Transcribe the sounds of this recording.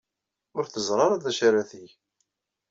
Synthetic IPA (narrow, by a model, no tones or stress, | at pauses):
ʊɾθəzˤɾˤɑɾˤaðæʃaɾæθiʝ